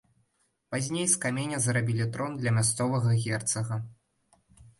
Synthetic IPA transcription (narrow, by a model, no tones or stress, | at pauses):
pazʲnʲejskamʲenʲɐzɐɾabʲilʲit̪ɾɔnd̪lʲɐmʲast̪sɔvɐɣɐɣʲɛrt̪sɐɣɐ